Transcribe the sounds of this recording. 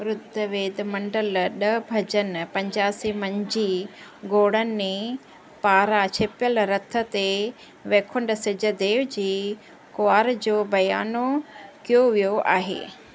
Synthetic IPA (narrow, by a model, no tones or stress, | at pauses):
ɾʊd̪ʱːəʋeːd̪mɐ̃ɳɖəlɗɐbʱɐd͡ʑənpɐ̃ɲd͡ʑaːsimɐ̃ɲd͡ʑiɡoːɽənɪ̆mẽ | paːɾat͡ɕʰeːpjəlɾɐt̪ʰːə̆t̪e | ʋeːkʰʊɳɖsɪd͡ʑʱə̆d̪eːʋd͡ʑeː | koaːɾd͡ʑoːbɐjaːnokijoʋijoʔa̰ːɦḛː